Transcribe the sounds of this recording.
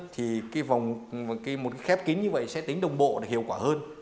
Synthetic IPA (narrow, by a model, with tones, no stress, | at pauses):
t̪ʰi˨˩kaː˨˦jva˨˩wŋ͡mkaː˨˦jmo˨˩t̚kaː˨˦jxɛ˦˥p̚ki˨˦ŋɲɨ˧və̰˧˨jsɛ̰˧˥t̪ï˨˦ŋ̟ɗə˨˩wŋ͡mɓo̰˧˨ɗa˨˩hḭ˧˨əwkwaː˧˩həː˧n